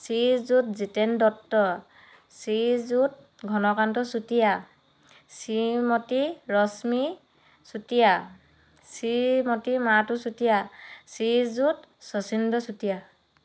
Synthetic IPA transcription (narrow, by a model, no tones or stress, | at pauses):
sizut̚zitendɔtːɔ | sizut̚ | ɡʱɔnɔkantɔsutija | simɔtiɹɔsmi | sutija | simɔtimatusutijasizutsɔsindɔsutija